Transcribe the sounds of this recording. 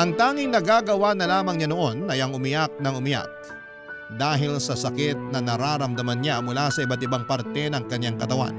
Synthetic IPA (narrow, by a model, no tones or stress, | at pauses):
ʔɐŋt̪aːŋɪŋnɐɡaːɡɐwanɐlaːmɐŋɲɐnoʔo̞nʔɐjɐŋʊmɪjak̚nɐŋʊmɪja̰k̚ | d̪aːɦɪlsɐsɐkɪt̪̚nɐnɐɾaːɾɐmd̪ɐmanɲamʊlasɐʔɪbat̪ɪbaŋpaɾt̪ɛnɐŋkɐɲːaŋkɐt̪ɐwa̰n